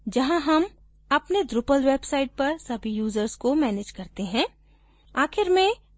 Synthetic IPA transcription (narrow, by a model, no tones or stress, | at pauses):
d͡ʒɐɦãɦɐm | ɐpned̪ɾʊpəlʋeːbsaːɪʈ̚pɐɾsɐbʱijuːzəɾskomɛːneːd͡ʒkɐɾt̪eɦɛ̃ | aːxɪɾmẽ